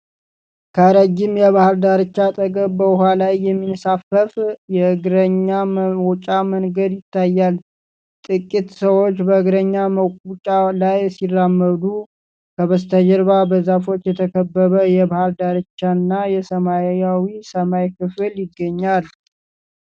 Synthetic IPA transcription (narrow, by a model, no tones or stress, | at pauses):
kʰəɾəd͡ʒːɪmjɛβahɨɾd̪aɾɨt͡ʃːat̪ʼəɡəbbəɦalajːɛmːinsafəfjɛɨɡɾəɲːawɔt͡ʃʼamənɡəd̪jɪt̪ʰːajːal | t̪ʼɨkʼːit̪səwo̞t͡ʃːbəɨɡɾəɲːaməkʷʼut͡ʃʼalajsirːamːəd̪u | kʰəβəst̪ʰəd͡ʒɛɾβabəzafo̞t͡ʃːjɛt̪ʰəkʰəbːəβəjɛbahɨɾd̪aɾɨt͡ʃːanːajɛsəmajawisəmajkɨfɨljɪɡːəɲːal